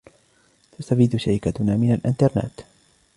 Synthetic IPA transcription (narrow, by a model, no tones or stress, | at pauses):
t̪ast̪afiːd̪ʊʃaɾɪkat̪ʊnaːmɪnalʔɪnt̪ɑɾˤna̰ːt̪